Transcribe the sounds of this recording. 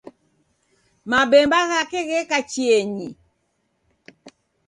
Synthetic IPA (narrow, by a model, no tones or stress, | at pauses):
mabɛmbaɣakɛɣɛkat͡ʃiɛɲi